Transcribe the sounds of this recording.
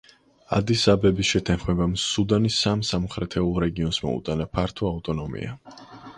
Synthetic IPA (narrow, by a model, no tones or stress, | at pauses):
a̰d̪isabɛbisʃɛt̪ʰanχmɛbamsud̪anisamsamχʰɾɛt̪ʰɛulˠɾɛɡiɔnsmɔ̰ṵt̪ʼanapʰaɾt̪ʰɔaut̪ʼɔnɔmḭa